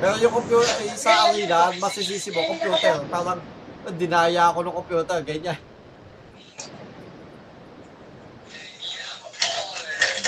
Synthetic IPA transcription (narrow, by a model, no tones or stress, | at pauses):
pɛːɾojʊŋkompjuːt̪ɛɾisaaɾilanmɐsɪsiːsɪmokompjuːt̪ɛɾpaːɾaŋɐd̪ɪnaːjaɐkonɐŋkompjuːt̪ɛrɡɐɲan